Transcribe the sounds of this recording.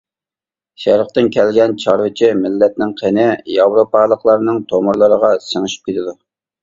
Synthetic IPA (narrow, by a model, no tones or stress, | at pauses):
ʃɛɾəq̚t̪ɪnkʲʰɛlɡʲɛnt͡ʃʰɑɾwɨt͡ʃʰimɪlːɛt̪̚nɪŋqʰenɪjɑvɾopɑlˠəqlˠɑɾnɨŋt̪ʰomʊɾlˠəɾəʁɑsəŋɨʃy̥p̚kʲet̪ʰɪd̪u